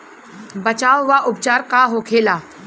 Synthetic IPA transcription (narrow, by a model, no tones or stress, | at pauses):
bət͡ʃaːʋʋaʔʊp̚t͡ʃaːɾkaːɦoːkʰeːlaː